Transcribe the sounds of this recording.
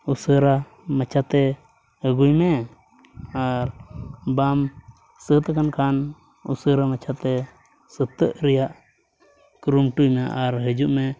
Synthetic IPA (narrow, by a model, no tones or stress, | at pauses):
usəɾa | mɛt͡ʃʰat̪ɛ | əɡujmɛ | aɾbam | sət̪akankʰan | ṵsəɾamət͡ʃʰat̪ɛ | sət̪ːəʔɾɛjaʔ | kɾumʈujmɛʔaɾɦəd͡ʒuʔmɛ